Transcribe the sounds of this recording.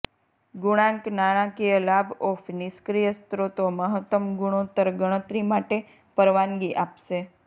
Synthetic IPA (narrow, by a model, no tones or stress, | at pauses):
ɡuɽ̃ãŋknaɽ̃ãkijəlabofniskɾijəst̪ɾot̪oməɦət̪ːəmɡuɽ̃ot̪əɾɡəɽ̃ət̪ɾimaʈe | pəɾʋanɡiʔapʃe